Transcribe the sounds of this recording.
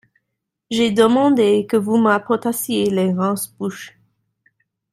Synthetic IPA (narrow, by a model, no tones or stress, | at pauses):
ʒɛd̪əmɑ̃d̪ekəvumapɔʁt̪asjeleʁɑ̃sbuʃ